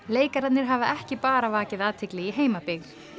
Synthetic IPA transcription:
leːjkaɾat̪nɪɾ̥ɦavaɛhcɪpaːɾavaːcɪðaːt̪ʰɪklɪiɦeːjmapɪɣ

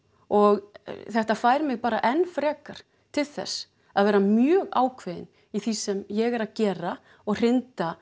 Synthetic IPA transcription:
ɔɣθɛht̪afaːjɾmɪɣpaːɾa̰ʔɛnːfɾɛːkaɾ̥ | t̪ʰɪlθɛ̰sː | aðvɛːɾamjœːɣaːwkʰvɪðɪ̰n | iθisɛmjɛɣɛɾaðcɛːɾa | ɔɣr̥ɪnt̪a

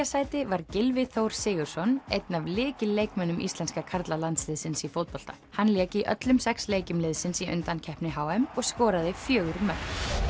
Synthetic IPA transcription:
asaːjt̪ɪvaɾcɪlvɪθowɾ̥sɪːɣʏɾ̥sɔnḛjt̪navlɪːcɪleːjkmɛnʏmʔḭst̪lɛnskakʰaɾt̪lalant̪slɪðsɪnsifowt̪̚pɔl̥t̪ḁ̰ | hanljɛːciʔœ̰t̪lʏmsɛksleːjcɪmlɪðsɪnsiʔʏ̰nt̪ancʰɛhpnɪɦaːwɛmɔɣskɔːɾaðɪfjœːɣʏɾmœkn

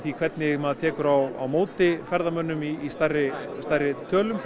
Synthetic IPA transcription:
θikʰv̥ɛt̪̚nɪmɛaðt̪ʰɛːkʏɾawa̰wmoːwt̪ɪfɛɾðamœnːʏmiːst̪arɪst̪ajɾɪt̪ʰœːlʏm

